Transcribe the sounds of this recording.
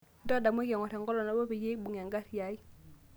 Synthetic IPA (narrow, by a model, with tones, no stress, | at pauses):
ndɔ˦˨da˨m˦ɛ˦kɛ˨ŋɔ˨tɛ˨ŋɡɔ˦lɔ˨na˦bɔ˦pi˨je˦ɓu˨ŋ˨a˨ŋɡa˦tja˨˦i˦